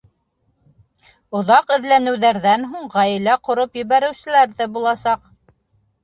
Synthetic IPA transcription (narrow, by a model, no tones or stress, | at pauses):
ŏðɑqɘ̆ðlænɘ̆wðæɾðænɦuɴʁæjɘ̆læqŏɾopjɘ̆βæɾɘ̆wsɘ̆læɾðɘbulˠɑsɑq